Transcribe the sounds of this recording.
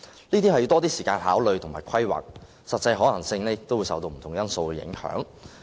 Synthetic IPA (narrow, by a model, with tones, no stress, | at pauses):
niː˥t̪iː˥ɐ˨ju˧t̪ɔː˥t̪iː˥siː˨˩kaː˧nɦaː˨˥wlɵ˨ɥt̪ʰmaː˨˩kʰɐ˥jwa̰ː˨k̚ | sɐ˨t̚t͡sːɐ˧jɦɔː˨˥lɐ˨˩ŋsɪ˧ŋlɛː˥k̚t̪o˥wju˧sɐ̰˨wt̪o˧wm̩˨˩t̪ʰʊ˨˩ŋjɐ˥nso˧wkɛ˧jɪ̰˨˥ŋhœ̰ː˨˥ŋ